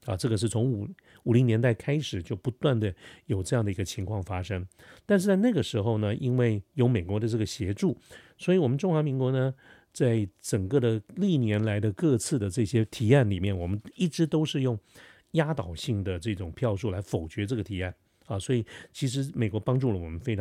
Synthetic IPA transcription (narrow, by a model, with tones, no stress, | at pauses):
ɐ̰˨ʈ͡ʂɤ˥˩ɡə˩ʂ̬ɻ̩˥˩t͡sʰo˧˥ŋu˨˩ | u˨˩li˧˥ŋnjɛ˧˥nt̪a˥˩ɪkʰa˥ɪʂɻ̩˨˩t͡ɕjo˥˩ʊpu˧˥t̪wa˥˩nd̪ə˩jo˨˩ʊʈ͡ʂɤ˥˧jɑ˥˩ŋd̪ə˩i˧˥ɡə˧t͡ɕʰi˧˥ŋkʰwɑ˥˧˩ŋfa˥ʂɤ˥ŋ | t̪a˥˧nʂ̬ɻ̩˥˧t͡sa˥˧ɪna˥˩ɡə˩ʂɻ̩˧˥xo˧ʊnə˨ʔi˥nwe˥˩ɪjo˧˥ʊme˨˩ɪkwɔ˧˥d̪ə˧ʈ͡ʂɤ˥˩ɡə˩ɕjɛ˧˥ʈ͡ʂu˥˩swɔ˧˥i˧˩wɔ˨˩mə˦nʈ͡ʂʊ˥ŋxwa˧˥mi˧˥ŋkwɔ˧˥nə˧ | t͡sa˥˩ɪʈ͡ʂə˨˩ŋkə˥˧˩d̪ə˩li˥˩njɛ˧˥nla˧˥ɪd̪ə˧kɤ˥˧t͡sʰɹ̩˥˩d̪ə˩ʈ͡ʂɤ˥˩ɕjɛ˥t̪ʰi˧˥a˥˩nli˨˩mjɛ˥˩nwɔ˨˩mə˦ni˥˩ʈ͡ʂɻ̩˧˥t̪o˥ʊʂɻ̩˥˧jʊ˥˩ŋ | ja˥t̪ɑ˨˩ʊɕi˥˩ŋd̪ə˩ʈ͡ʂɤ˥˩ʈ͡ʂʊ˨˩ŋpʰjɑ˥˧ʊʂu˥˩la˧˥ɪfo˨˩ʊt͡ɕɥɛ˧˥ʈ͡ʂɤ˥˩ɡə˩t̪ʰi˧˥a˥˩n | ɐ˨swɔ˧˥i˨˩t͡ɕʰi˧˥ʂ̬ɻ̩˧˥me˨˩ɪkwɔ˧˥pɑ˥ŋʈ͡ʂu˥˩lə˨˩wɔ˨˩mə˦nfe˥ɪʈ͡ʂʰ